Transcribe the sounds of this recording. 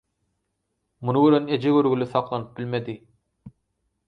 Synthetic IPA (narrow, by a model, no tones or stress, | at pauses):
munuɡøɾened͡ʒeɡøɾɡylyθɑqlˠɑnɯp̚bilmed̪i